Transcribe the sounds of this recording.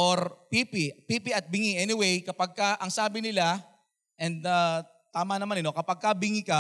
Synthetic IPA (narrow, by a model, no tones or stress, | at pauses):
ʔoɾpipɪpiːpiʔɐt̪̚bɪŋiʔɛnɪwejkɐpaɡ̚kɐʔɐŋsaːbɪnɪla | ʔɛnd̪̚aː | t̪aːmɐnɐmanɪnokɐpɐɡ̚kɐbɪŋikɐ